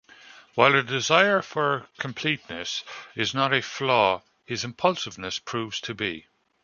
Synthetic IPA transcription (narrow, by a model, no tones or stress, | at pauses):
waɪlˠədɪzaɪə˞fə˞kʰə̃mpʰl̥itⁿnəsɪznəɾəflɔː | hɪzɪ̃mpʰʌlˠsɪvnəspʰɹ̥uːvz̥tʰəbḭ